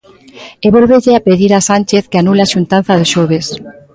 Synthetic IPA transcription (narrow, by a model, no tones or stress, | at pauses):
eβolβeʎeapeðiɾasanʲt͡ʃeθkeanuleaʃunt̪an̟θaðeʃoβ̞es